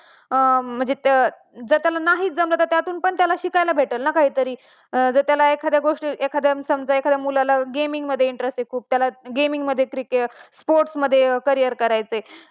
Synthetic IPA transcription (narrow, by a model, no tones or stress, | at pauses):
m̤əɳd͡ze | d͡zəɾt̪jalanaɦiːt̪̚d͡zəmblət̪ət̪jat̪uːnpəɳt̪jalaɕikajlabʱeʈəlnakaɦiːt̪əɾiː | d͡zəɾt̪jalaekʰad̪ʱjaɡoʂʈiekʰad̪ʱjamsəmd͡zaekʰad̪jamulalaɡemiŋɡməd̪ʱːjeiɳʈɾesʈekʰuːb̚t̪jalaɡemiŋɡməd̪ʱːjekɾikespoɾʈsməd̪ʱːjekəɾijəɾkəɾajt͡səe